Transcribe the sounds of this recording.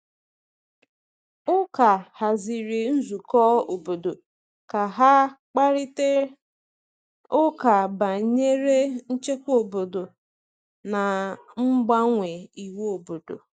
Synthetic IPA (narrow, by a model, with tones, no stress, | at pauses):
ʊ˦ka˨ha˨zi˨ɾe˨n̩˦zu˨kɔ˦o˨bo˨do˨ | ka˨ɦa˦k͡pa˦ɾi˦te˦ | ʊ˦ka˨ba˨ɲe˦ɾe˦n̩˦t͡ʃe˦kʷo˨bo˨do˨ | na˨ŋ͡m̩˦ɡ͡ba˦ŋʷe˨i˨we˦o˨bo˨do̰˨